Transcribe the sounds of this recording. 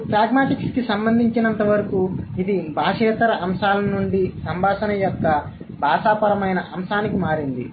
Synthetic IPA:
pɾaːɡmaːʈikskisɐmbɐnd̪ʱiɲt͡ʃinɐnt̪ɐʋɐɾɐkuid̪ibʱaːʂɛːt̪ɐɾɐʔɐmʂaːlɐnuɳɖisɐmbʱaːʂɐnɐjɔkːɐ | bʱaːʃaːpɐɾɐmɐjnɐʔɐmʃaːnikimaːɾind̪ḭ

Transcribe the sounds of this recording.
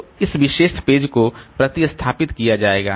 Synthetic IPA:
ɪsʋɪʃeːʃpeːd͡ʒkopɾɐt̪ist̪ʰaːpɪt̪kijad͡ʒaːeːɡa̰ː

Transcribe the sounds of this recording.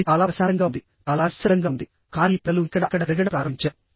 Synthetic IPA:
t͡ʃaːlaːɾɐsaːɾɐŋɡaːnd̪i | t͡ʃaːlaːsɐɾɐŋɡaːund̪i | kaːɾiplɐluikːɐɽɐkːɐɽɐɾɐɡɐɽɐpɾaːɾɐmiɲt͡ʃaː

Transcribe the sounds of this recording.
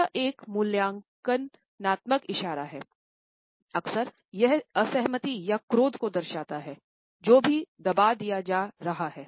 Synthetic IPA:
aʔeːkmʊljãːŋkənː | aːt̪məkɪʃaːɾaɦɛː | ɐksəɾ | jɛɦəsɛɦmət̪ijakɾoːd̪kod̪ɐɾʃaːt̪aɦɛː | d͡ʒoːbʱid̪ɐbaːd̪ijad͡ʒaːɾɐɦaɦɛː

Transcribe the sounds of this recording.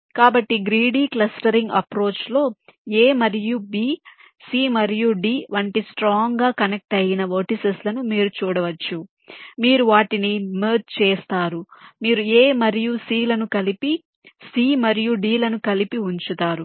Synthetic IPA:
kaːbɐʈːiɡɾiːɖiːklɐsʈɐɾiŋɡɐ̰pɾo̞ːt͡ʃlo̞ːeːmɐɾijubiː | siːmɐɾijuɖiːʋɐɳʈisʈɾaːŋɡaːkɐnek̚ʈɐjinɐno̞ːʈiseslɐnumiːɾut͡ʃuːɽɐʋɐt͡ʃːu | miːɾuʋaːʈinimeːd͡ʒ̪t͡ʃeːst̪aːɾumiːɾueːmɐɾijusiːlɐnukɐlipi | siːmɐɾijuɖiːlɐnukɐlipiuɲt͡ʃut̪aːɾu

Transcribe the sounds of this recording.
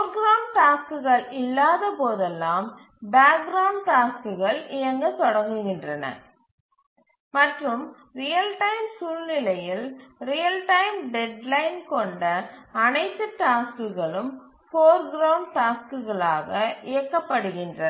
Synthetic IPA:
oɾɡɾɐʊɳɖ̚ʈaːskɯɣɐɭɪlːaːðɐpoːðɛlːaːm | baːk̚ɡɾɐʊɳɖ̚ʈaːskɯɣɐɭɪjɐŋɡɐt̪ɔɽɐŋɡɯɣɪndrɐnɐ̰ | mɐʈrɯm | ɾɪjɐlʈɐɪmsuːlnɪlɐjɪlɾɪjɐlʈɐɪmɖɛɖlɐɪnkɔɳɖɐːnɐɪt̪ːɯʈaːskɯɣɐɭɯm | foːɾɡɪɾɐʊɳɖ̚ʈaːskɯɣɐɭaːɣɐʔɪjɐkːɐpːɐɽɯɣɪndrɐ

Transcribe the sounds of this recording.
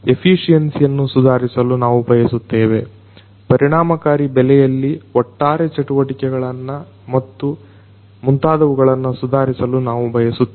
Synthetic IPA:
e̞pʰiːʂijɐnsjɐnːusud̪ʱaːɾisɐlunaːʋubʱɐjɐsut̪ːeːʋe̞ | pɐɾiɳ̃aːmɐkaːɾibɛlɛjɐlːiɔʈːaːɾet͡ʃɐʈuʋɐʈikɛɡɐɭɐnːɐ | mɐt̪ːu | munt̪aːd̪ɐʋuɡɐɭɐnːɐsud̪ʱaːɾisɐlunaːʋubʱɐjɐsut̪ː

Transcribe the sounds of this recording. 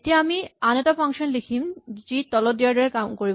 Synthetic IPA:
etiaamianetapʰaŋʃɔnlikʰimd͡ʑit̪ɔlotːijaɾɖaɹekamkoɹib

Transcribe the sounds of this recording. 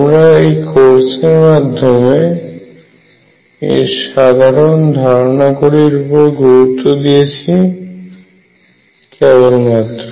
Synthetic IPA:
mɾaejkoɾseɾmad̪ʱːome | ḛʃad̪ʱaɾond̪ʱaɾonakoɾiɾupoɾɡuɾut̪ːod̪ijet͡ɕʰi | kɛbolmat̪ːɾo

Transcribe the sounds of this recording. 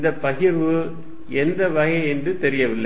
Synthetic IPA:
nd̪ɐpːɐɣɪɾʋɯ | ɛnd̪ɐʋɐɣɐɛndrɯt̪ɛɾɪjɐʋɪlːɐ

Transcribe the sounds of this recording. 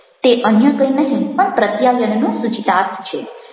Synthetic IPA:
t̪eʔənjəkəinəɦĩpəɳpɾət̪jaljənnũsut͡ʃit̪aɾt̪ʰt͡ʃʰe

